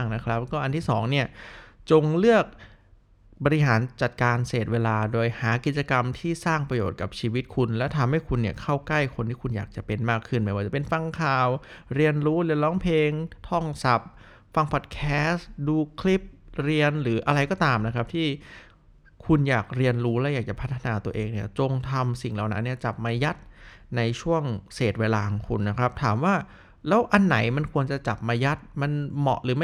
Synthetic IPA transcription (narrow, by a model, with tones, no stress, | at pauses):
ŋna˦˥kʰɾa˦˥p̚kɔː˥˩ʔa˧nt̪ʰiː˥˩sɔː˩˦ŋni˥˩ɐt͡ɕo˧ŋlɯ˥˩ək̚ | bɔː˧ɾi˦˥ɦaː˩˦nt͡ɕa˨˩t̪̚kaː˧nseː˨˩t̪̚weː˧laː˧doː˧jhaː˩˦ki˨˩t̪̚t͡ɕa˧ka˧mt̪ʰiː˥˩saː˥˩ŋpɾa˧joː˨˩t̪̚ka˨˩p̚t͡ɕʰiː˧wi˦˥t̪̚kʰu˧nlɛ˦˥t̪ʰa˧mha˥˩jkʰu˧nːi˥˩əkʰa˥˩wkla˥˩jkʰo˧nt̪ʰiː˥˩ku˧njaː˨˩k̚t͡ɕa˨˩pe˧nmaː˥˩kʰːɯ˥˩nma˧˥˩waː˧˩t͡ɕa˨˩pe˧nfa˧ŋkʰaː˨˩wɾi˧ənɾuː˦˥ɾi˧ənlɔː˦˥ŋpʰeː˧ŋt̪ʰɔ˥˩ŋsa˨˩p̚ | fa˧ŋpʰɔ˨˩t̪̚kʰɛː˦˥sduː˧kʰli˦˥p̚ɾi˧ənɾɯː˩˦ʔa˧ɾa˧jkɔː˥˩t̪aː˧mna˦˥kʰɾa˦˥p̚t̪ʰiː˥˩ | kʰu˧njaː˨˩k̚ɾi˧ənɾuː˦˥lɛː˦˥wjaː˨˩k̚t͡ɕa˨˩pʰa˦˥t̪ʰːa˧naː˨˧t̪u˧ɐəʔeː˧ŋni˥˩ɐt͡ɕo˧ŋt̪ʰa˧msi˨˩ŋla˨˩wna̰˦˥nːi˥˩ɐt͡ɕa˨˩p̚maː˧ja˦˥t̪̚na˧jt͡ɕʰu˥˩əŋseː˨˩t̪̚weː˧laː˧kʰṵ˧nːa˦˥kʰɾa˦˥p̚t̪ʰaː˩˦mwaː˥˩ | lɛː˦˥wʔa˧nːa˩˦jma˧nkʰu˧ənt͡ɕa˨˩t͡ɕa˨˩p̚maː˧ja˦˥t̪̚ma˧nmɔ̰˨˩ʔɾɯː˩˦m˥˩